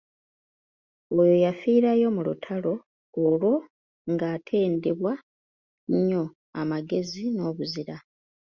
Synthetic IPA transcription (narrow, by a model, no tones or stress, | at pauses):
ojo̞jafiːɾajo̞mulṵtʰalo̞ː | lwo̞ | ŋɡaːtʰe̞ːndeβwa | ɲːo̞ | amaɡe̞zino̞ːβuziɾa